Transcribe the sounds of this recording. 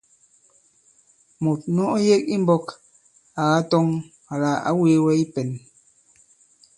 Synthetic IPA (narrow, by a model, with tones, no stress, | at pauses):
mo˨t̚nɔ˦ʔɔ˦je˦k̚i˦m˦bɔ˦k | a˨ɣa˦tɔ˦ŋ | a˨la˨a̰˦we˦wɛ˦i˦pɛ˨n